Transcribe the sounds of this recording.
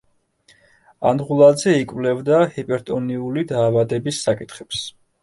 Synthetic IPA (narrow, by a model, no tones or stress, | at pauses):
a̰nʁulˠad̪zɛikʼvlɛvd̪ahipʼɛɾt̪ʼɔniulid̪aːvad̪ɛbisːakʼit̪ʰχɛps